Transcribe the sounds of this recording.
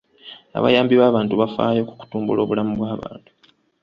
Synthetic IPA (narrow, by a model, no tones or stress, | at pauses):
a̰βa̰jaːmbiβaːβaːntuβafa̰ːjo̞ːku̥ku̥tuːmbulo̞ːβulamuβwaːβa̰ːntu̥